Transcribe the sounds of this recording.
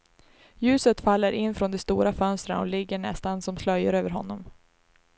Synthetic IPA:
jʉ̟ːsət̪falːəɾʔɪnːfɾɔnd̪ɛst̪uːɾafœnst̪ɾanɔ̰lɪɡːəɳɛ̰st̪ansɔmslœjːəɾøːvəɾɦɔ̰nːɔm

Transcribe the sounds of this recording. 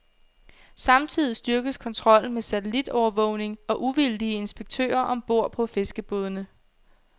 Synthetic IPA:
sɑ̈mt͡sʰið̰ˠisd̥ɶɐɡ̥əðˠskʰɒ̽nt͡sʰʁɒ̽l̰n̩mesæt͡sʰelid̥ɒʊɐʋɔ̰ʊ̰ne̝ŋɒ̽ʔuʋild̥iəe̝nsb̥eɡ̥̚t͡sʰø̰ːɐʔɒ̽mb̥o̝ɐ̰pʰɒ̽fe̝sɡ̥əb̥oːð̞ˠnə

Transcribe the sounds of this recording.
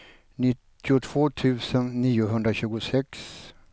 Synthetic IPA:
nɪt̪ːɪʊt̪ʰv̥oːt̪ʰʉ̟ːsənːiːʊɦɵnd̪ɾaɕʉ̟ːɡʊsɛks

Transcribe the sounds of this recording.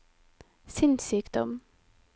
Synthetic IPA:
sʏnsyːkd̪̥ɔm

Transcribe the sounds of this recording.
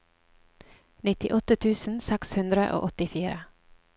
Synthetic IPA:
nɪt̪ɪʔɔt̪ət̪ʰʉːsn̩sɛkshʉnd̪ɾəʔo̰ːʔɔt̪ɪfiːɾə

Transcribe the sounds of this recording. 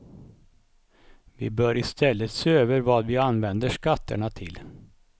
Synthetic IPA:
vɪ̰bœːɾɪst̪ɛlːət̪seːøːvəɾvɑːd̪vɪanvɛnd̪əʂkat̪ʰːə̰ɳat̪ʰɪl

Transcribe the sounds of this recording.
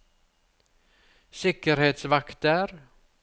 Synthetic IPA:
sɪkəɾheːt̪svakt̪əɾ

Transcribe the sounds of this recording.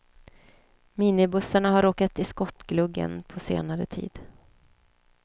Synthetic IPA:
miːnɪbɵsːaɳaɦaɾoːkat̪ɪskɔt̪ːɡ̥lɵɡːə̰npʰɔsḛːnaɾə̰t̪ʰḭːd̪̥

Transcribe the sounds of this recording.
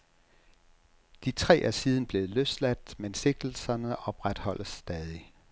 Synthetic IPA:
d̥it͡sʰʁɛ̰ːʔæsiːð̞ˠn̩b̥le̝ːð̩ˠløslæd̥mense̝ɡ̥̚d̥l̩sɐnəʔɒ̽b̥ʁad̥hɒ̽lʔəsːd̥ɛːð̞ˠi

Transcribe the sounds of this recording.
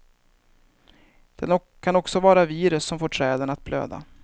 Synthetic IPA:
d̪̥ɛn | kʰanɔksɔvɑːɾaviːɾɵsːɔmfoːʈʰɾɛːd̪ənat̪̚bʰlø̰ːd̪a̰

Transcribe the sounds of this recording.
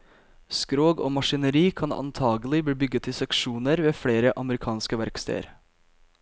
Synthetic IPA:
skɾoːɡo̰ːmɑʃɪnəɾiːkʰɑnɑ̰nt̪ʰɑːɡəl̩ɪbiːbʏɡət̪ʰɪːsɛkʃuːnəɾʋeːfɽeːɾəʔɑməɾɪkʰɑːnskəʋæɾkst̪ʰḛɪə̰ɾ

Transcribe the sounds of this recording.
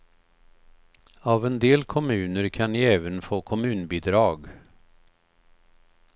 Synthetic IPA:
avɛnd̪eːlkʰɔmʉ̟ːnəɾkʰanniːɛːvənfoːkʰɔmʉ̟ːnbɪd̪ɾɑːɡ

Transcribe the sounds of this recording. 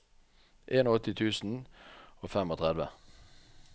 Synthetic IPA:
ʔeːnoːɔt̪ɪt̪ʰʉːsn̩oːfɛmoːt̪ʰʁɛd̪ʋə̰

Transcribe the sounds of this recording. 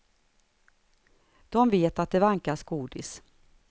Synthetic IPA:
d̪̥ɔmveːt̪at̪̚d̪ɛvaŋkaʂɡuːd̪ɪs

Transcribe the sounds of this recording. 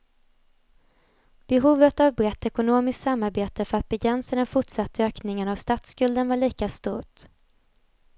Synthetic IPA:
b̥ɛɦuːvət̪avbɾɛt̪ːɛkʊnoːmɪskt̪samːaɾbeːt̪əfœɾat̪̚bɛɡɾɛnsad̪ɛnfʊʈʂat̪ːəøːknɪŋənavst̪aːt̪skɵld̪ənvaɭiːkast̪ṵːʈ

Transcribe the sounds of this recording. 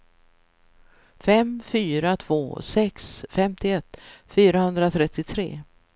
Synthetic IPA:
fɛmfyːɾat̪ʰv̥o̰ːsɛksfɛmt̪ɪɛt̪ːfyːɾahɵnd̪ɾat̪ʰɾɛt̪ːɪt̪ʰɾḛː

